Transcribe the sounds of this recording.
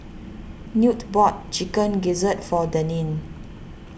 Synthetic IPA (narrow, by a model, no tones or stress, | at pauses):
njutbɔt̚t͡ʃikə̃nɡizətfɔdənĩn